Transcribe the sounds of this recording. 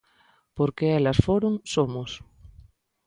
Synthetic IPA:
poɾkeelasfoɾoŋsomos

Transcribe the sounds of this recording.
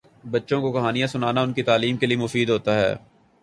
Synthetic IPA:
bɐtːʃõkokɐɦaːnijãsʊnaːnaʊnket̪aːliːmkeliemʊfiːd̪ɦoːt̪aɦɛ̰ː

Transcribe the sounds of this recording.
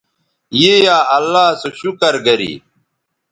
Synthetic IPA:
jejaːɐlːaːsoɕukɐɾɡɐɾḭː

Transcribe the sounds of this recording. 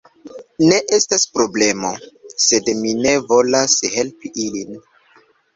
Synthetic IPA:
ne̞ʔe̞staspɾo̞ble̞mo̞se̞dmine̞vo̞lashe̞lpiʔilin

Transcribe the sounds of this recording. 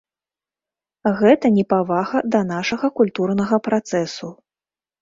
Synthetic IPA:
ɣɛt̪ɐnʲɛpavaɣɐd̪ɐnaʂɐɣɐkulʲt̪urnɐɣɐpɾat̪sɛsu

